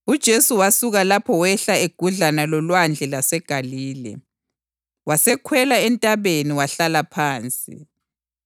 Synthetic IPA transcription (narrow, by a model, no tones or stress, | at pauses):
ud̥ʒ̥ʱesuwasuɣalapʰɔwɛɬaeɡ̥ʱuɮanalɔlwand͡ɮʱɛlasɛɡ̥ʱaliːlɛ̰ | wasɛkʰwɛlaɛntʼaβeniwaɬalapʰaːnt͡sʼḭ